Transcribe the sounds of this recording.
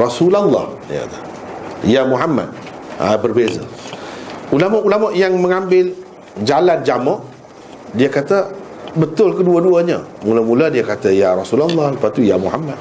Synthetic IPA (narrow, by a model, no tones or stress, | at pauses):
rɑsulalːɑ̰h | ja̰t̪a | jamuɦamːa̰d̪̚a̰bərbeza̰ | ulamaʔulamaʔjaŋməŋambɪl | d͡ʒalan̚d͡ʒamɔʔ | diakat̪abət̪ʊlkəduaduaɲamulamuladiakat̪ajaɾasulalˤːahləpat̪ujamuhamːad̪̚